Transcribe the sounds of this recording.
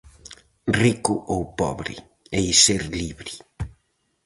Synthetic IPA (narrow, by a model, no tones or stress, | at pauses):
rikʊʔowpɔ̰βɾɪ̰ | ejseɾliβɾɪ